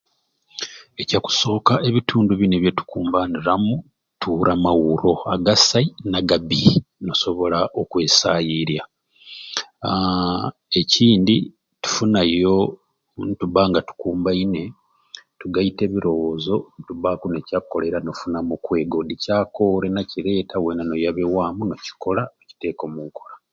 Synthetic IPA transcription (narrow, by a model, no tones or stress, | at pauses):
ecaku̥so̞ːkaʔe̞βitʰuːnduβineβjetu̥kuːmbaniɾamu | tʰuɾʔamawuɾo̞aɡasainaɡaβino̞so̞βo̞laʔo̞kwe̞ːsajiɾja | e̞ciːndi | tu̥funajo̞ | ntuβaŋɡatu̥kuːmbaine̞ | tuɡaite̞βiɾo̞wo̞ːzo̞ntuβakunecakːo̞le̞ɾano̞funamukwe̞ːɡo̞dicaːko̞ːɾenaciɾe̞ːtawenano̞jaβewaːmuno̞ci̥ko̞laeci̥te̞ːko̞muːŋko̞la